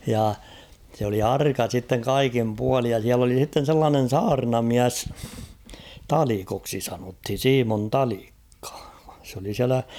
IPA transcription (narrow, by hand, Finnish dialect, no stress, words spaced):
jɑ sĕ oli ɑrkɑ sitːeŋ kɑikim puɑlij jɑ siæl oli h̝itːen̞ selːɑːnen̞ sɑːrnɑmiæs tɑlikoksi sɑnothin̞ siːmon tɑlikːɑ̥ s oli siælæ